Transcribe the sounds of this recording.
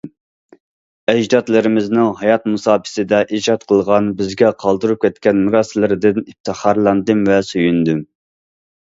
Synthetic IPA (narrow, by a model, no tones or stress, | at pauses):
ɛd͡ʒd̪ɑt̪lˠɨɾɪmɪznɪŋɦɑjɑt̪̚musɑːpʰɪ̥sɪd̪ɛʔid͡ʒɑt̪qʰəlˠʁɑnbɪzɡʲɛqʰɑlˠd̪uɾup̚kʲʰɛt̪̚kʲɛnmuɾɑːsɪlɪɾɪd̪ɪnip̚t̪ʰɨχɑɾlˠɑnd̪ɨmvɛsyjynd̪ym